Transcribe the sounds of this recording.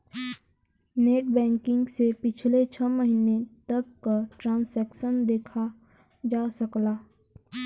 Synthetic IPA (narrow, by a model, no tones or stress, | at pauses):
neːʈ̚bɛ̃ːŋkɪ̃ŋɡsepɪt͡ʃʰlet͡ʃʰɐməɦinet̪ɐkːʈɾãːnsɛːkʃənd̪eːkʰa | d͡ʒaːsɐklaː